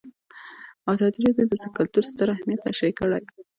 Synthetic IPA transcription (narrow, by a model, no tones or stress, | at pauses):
ɑzɑd̪iɾɑd̪jod̪əzəkʊlt̪uɾst̪əɾahmjat̪ːaʃajkəɽaj